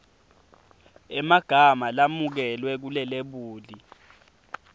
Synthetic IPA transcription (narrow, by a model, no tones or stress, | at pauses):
ɛmaɡ̥ʱamalamuk̬ɛlwɛk̬ulɛleɓuːli